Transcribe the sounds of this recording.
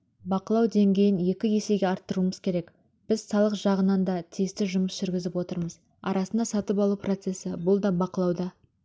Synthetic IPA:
bɑqəlˠɑwd̪e̞ŋɡʲe̞jɪnje̞kʲɪje̞se̞jɡʲeɑɾt̪ːəɾuəməz̥kʲʰe̞ɾe̞k | b̥ɪzsɑlˠəqʒɑʁənɑnd̪ɑt̪ʰijɪst̪ɪʒʊməsʒ̥ʏɾɡʲɪzɪpwot̪əɾməz | ɑ̰ɾʔɑsənd̪ɑsɑt̪əpɑlˠupro̞t̪se̞sɪbʊlˠd̪ɑbɑqəlˠɑwd̪ɑ

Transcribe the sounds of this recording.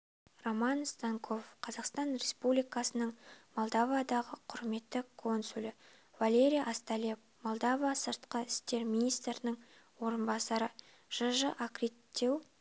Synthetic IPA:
romɑnst̪ɑŋkʰo̞fqʰɑzɑqst̪ɑnre̞spublijkɑsənəɴmolˠd̪ɑvad̪ɑʁəqʰʊɾme̞t̪ːɪkʰo̞nsulɪ | valʲe̞ɾʲijʔast̪alʲep | molˠd̪ɑvɑsəɾt̪qəɪst̪e̞ɾmʲinijst̪ɾənəɴwo̞ɾənbɑsɑɾə | ʒ̥əʒəʔakɾit̪ːew

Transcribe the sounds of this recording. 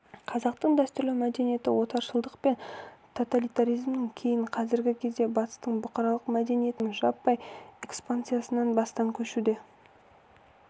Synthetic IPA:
qʰɑzɑqt̪əɴd̪æst̪ʏɾlɪmæd̪e̞nije̞t̪ɪwo̞t̪ɑɾʃəlˠd̪əqpe̞nt̪ʰo̞t̪alijt̪aɾijzmnɪŋkʲʰe̞jɪɴqʰɑzɪɾɡʲɪkʲʰezd̪e̞bɑt̪ə̥st̪əɴbʊqɑɾɑlˠəqmæd̪e̞nije̞t̪ɪnʒɑpːɑjekspant̪sɨjasənɑnbɑst̪ɑŋkʲʰɵʃud̪e

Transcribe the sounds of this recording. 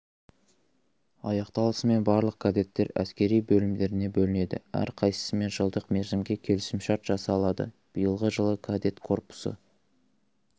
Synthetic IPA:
ɑ̰jɑqt̪ɑlˠəsəme̞nbɑɾlˠəq̚kʰad̪e̞t̪ːe̞ɾæ̰skʲe̞ɾijbɵlɪmd̪e̞ɾɪne̞bɵlɪne̞d̪ɪ̰æ̰ɾqʰɑjsə̥səme̞nʒəlˠd̪əqme̞ɾzɪmɡʲe̞kʲʰe̞lɪsɪmʃɑɾt̪ʒ̥ɑsɑːlˠɑd̪ə̰ | b̥ijəlˠʁəʒəlˠəkʰad̪e̞t̪kʰo̞rpʊ̥sə̰

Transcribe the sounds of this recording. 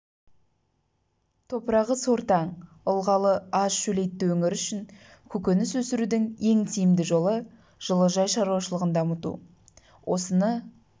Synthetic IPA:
t̪ʰo̞pəɾɑʁəso̞ɾt̪ɑɴ | ʊlˠʁɑlˠəɑzʃɵle̞jt̪ːɪwɵŋɪɾʏʃɪŋ | kʲʰɵkʲenɪswɵsɪɾud̪ɪŋe̞ŋt̪ʰijɪmd̪ɪʒo̞lˠə | ʒ̥əlˠəʒɑjʃɑɾuwɑʃəlˠəʁənd̪ɑmət̪ṵ | wʔo̞sənə

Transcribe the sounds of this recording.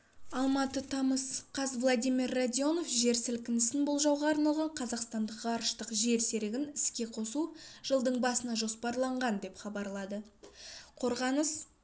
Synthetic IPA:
ɑlˠmɑt̪ət̪ʰɑməsqʰɑzvlˠad̪ijmirːad̪ʲijo̞no̞fʒe̞ɾsɪlkʲɪnɪsɪnbolˠʒɑwʁɑːɾnɑlˠʁɑɴqʰɑzɑqst̪ɑnd̪əqʁɑɾʃt̪əqʒe̞ɾse̞ɾɪɡʲɪnɪskʲe̞qʰo̞suʒ̥əlˠd̪əɴbɑsənɑʒo̞spɑɾlˠɑɴʁɑnd̪e̞pχɑbɑɾlˠɑd̪ə | qʰo̞ɾʁɑnəs

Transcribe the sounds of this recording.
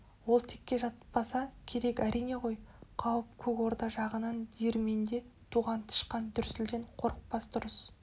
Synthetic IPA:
wo̞lˠt̪ʰekʲːe̞ʒɑt̪ə̥ppːɑsɑkʲʰe̞ɾe̞kʲæɾʔijne̞ʁo̞jqʰɑwəp̚kʲʰɵko̞ɾt̪ɑʒɑʁənɑnd̪ieɾme̞nd̪e̞ | t̪ʰuʁɑnt̪ʰə̥ʃqɑnt̪ʰʏɾsɪld̪e̞ɴqʰo̞ɾəq̚pɑsd̪ʊɾəs

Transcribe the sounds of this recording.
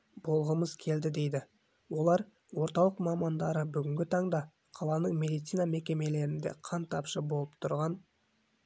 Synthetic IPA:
b̥o̞lˠʁəməz̥kʲʰe̞ld̪ɪd̪e̞jd̪ɪ | wo̞lˠɑɾ | wo̞ɾt̪ɑlˠəqmɑmɑnd̪ɑɾəbʏɡʲɪŋɡʲɪt̪ʰɑɴd̪ɑ | qʰɑlˠɑnəɴmʲe̞d̪it̪sijname̞kʲe̞me̞le̞ɾɪnd̪e̞̰qʰɑnt̪ʰɑpʃəbo̞lˠəpt̪ʰʊɾʁɑn

